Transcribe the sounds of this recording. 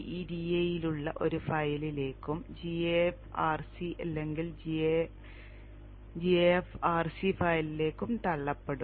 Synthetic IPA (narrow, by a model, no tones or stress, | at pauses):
iːdiejiluɭːɐʔo̞̰ɾufɐjɐlile̞ːkːumd͡ʑiefaːrsiʔɐlːeŋɡild͡ʑe | d͡ʑiefaːrsifɐjlile̞ːkːumt̪ɐɭːɐpːeɽu